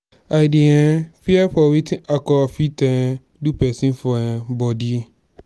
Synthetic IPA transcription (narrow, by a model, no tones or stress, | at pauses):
adiɛ̃fiaɸɔwitʰĩʔakɔfitɛ̃ | dupɛsĩnfɔɛ̃bɔdi